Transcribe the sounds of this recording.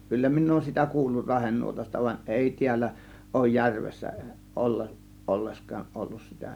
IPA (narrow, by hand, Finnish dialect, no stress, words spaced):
kylːæ minˑ oːŭn sitæ kuːlːur rɑhenːuotɑstɑ ʋɑnʲ ʔeˑi tiælːæ oˑŭj jærʋesːæ olːe ʔolːeskˑɑːʔ ʔolːus sitæ